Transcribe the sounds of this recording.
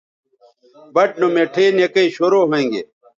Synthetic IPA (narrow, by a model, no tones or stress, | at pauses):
bɐʈ̚nomeʈʰeːnekɐiɕoːɾoːɦẽːŋɡḛː